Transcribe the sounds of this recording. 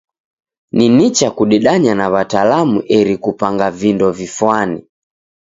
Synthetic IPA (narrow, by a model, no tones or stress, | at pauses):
ninit͡ʃakuɗɛɗaɲanaβatalamuʔɛɾikupaŋɡavindɔvifwani